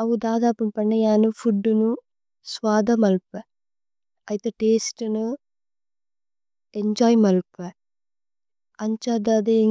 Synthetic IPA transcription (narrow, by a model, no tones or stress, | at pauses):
ɐwud̪aːd̪aːpumpɐɳːejaːnufʰuɖːunu | sʋaːd̪ɐmɐlpɛ | ɐjit̪eʈeːsʈnu | eɲd͡ʒaːjmɐlpɛ | ɐɲt͡ʃad̪ad̪e